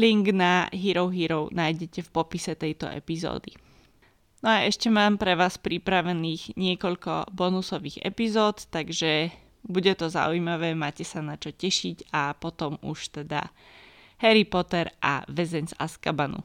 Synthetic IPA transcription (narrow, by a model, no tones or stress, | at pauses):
liŋɡnaɦiɾɔʊɦiɾɔʊnaːjɟɛcɛfpɔpisɛt̪ɛjt̪ɔ̰ʔɛ̰pizɔ̰ːd̪i | nɔaɛʃcɛmaːmpɾɛʋaːspɾipɾaʋɛniːɣɲɪɛkɔʎkɔ̰bɔnusɔʋiːɣɛ̰pizɔːt̪t̪aɡʒɛ | buɟɛt̪ɔza̰ujmaʋɛːmaːcɛsanat͡ʃɔcɛʃiɟapɔt̪ɔmuʃt̪ɛd̪a̰ | hɛɾipɔt̪ɛɾʔa̰ʋɛzɛɲza̰skabanṵ